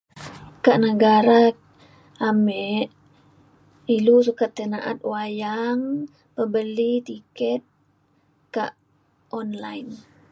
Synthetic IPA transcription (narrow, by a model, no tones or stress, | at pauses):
kaʔnəɡaɾa | amɛʔ | ilusukat̪ːənaʔa̰t̪̚wajaŋ | pəbəlit̪ikɛt̪̚ | ka̰ʔ | ʔɔnlajn